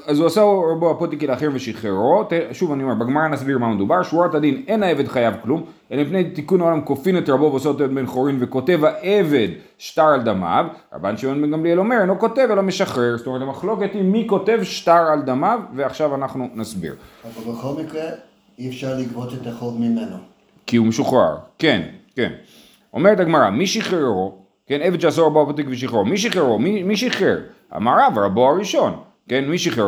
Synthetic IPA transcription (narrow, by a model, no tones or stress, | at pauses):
azuasaɾaboapot̪ikileːχeimveʃiχeɾo̞t̪eʃuvanio̞mebeɡmaʁanasbiʁmamed̪ubaʁʃuaʁt̪ad̪inenaeve̞d̪χajavklum | elemipnejt̪ikunaolamko̞finet̪ɾabo̞veosot̪eved̪benχoɾinveko̞te̞vaʔeve̞d̪ | ʃtaʁald̪ama̰vɾa̰ba̰nʃevoneɡamlielo̞meɾenoko̞t̪evelameʃaχʁe̞ʁstomeetamaχlo̞ket̪imːiko̞t̪e̞vʃtaʁald̪amavːeaχʃavanaχnunasbḭʁavalbeχolmikʁe | iefʃaʁliɡbotet̪aχovmimeno | kiumeʃuχa̰ʁke̞nkḛn | o̞me̞ʁet̪aɡmaʁa̰miʃiχeʁo̞ | keneved̪ʃeas̬oʁaboapat̪̬ikviʃ̬iχomiʃ̬iχeʁomimiʃiχeʁ | a̰maɾavʁaboaʁiʃo̞n | kenmiʃiχe